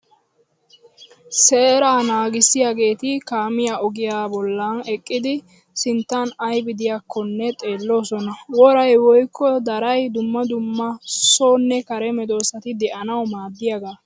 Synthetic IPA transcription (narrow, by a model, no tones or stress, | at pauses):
seːɾaːnaːɡɪsːɪjaːɡe̞ːt̪ɪkaːmɪjaːɔɡɪjaːbɔlːɐnɛkʼːɪd̪ɪ | sɪnt̪ːanɐjbɪd̪ɪjakʰːɔnːɛt̪ʼe̞ːlːo̞ːsɔnɐwɔɾɐjwɔjkːɔd̪ɐɾɐjd̪ʊmːɐd̪ʊmːɐsoːnːɛkɐɾɛmɛd̪o̞ːsɐt̪ɪd̪ɛʔɐnɐwmaːd̪ːɪjɐɡaː